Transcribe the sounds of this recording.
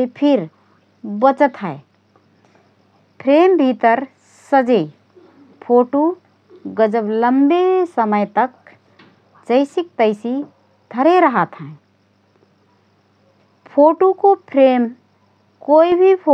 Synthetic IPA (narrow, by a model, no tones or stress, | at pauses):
sepʰɪɾ | bət͡ʃət̪ɦɛe | pʰɾeːmbʱit̪əɾ | səd͡ʒe | pʰoːʈo | ɡəd͡ʒəbləmbesəməjt̪ək | t͡ʃəɪsɪk̚t̪əɪsi | d̪ʱəɾeɾəɦət̪ɦɛ̃ | pʰoːʈokopʰɾeːm | koːibʱipʰo